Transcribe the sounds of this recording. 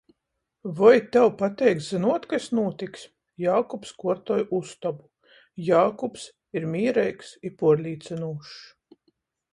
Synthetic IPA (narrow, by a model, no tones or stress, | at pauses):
vɔjt̪ɛwpat̪ʲɛjk̪zinuɔt̪kasnuɔt̪ʲiks | jaːkɔpskuɔɾt̪ɔjust̪ɔbu | jaːkɔps | iɾmʲiːɾɛjksipuɔɾlʲiːt̪sinuːʃ